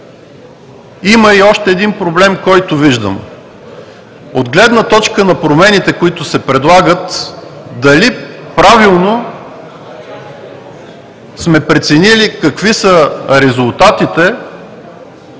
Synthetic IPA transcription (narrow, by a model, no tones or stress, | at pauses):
iməiɔʃt̪ɛːd̪inpɾoblɛmkɔjt̪ʊviʒd̪ə̰m | od̪ɡlɛd̪nət̪ɔt͡ʃkənɐpɾomɛnit̪ɛkʊit̪ʊsɛpɾɛd̪lˠaɡət̪d̪ɐlipɾavilˠno | smɛpɾɛt̪sɛnilikɐkvisəɾɛzʊlˠt̪at̪it̪ɛ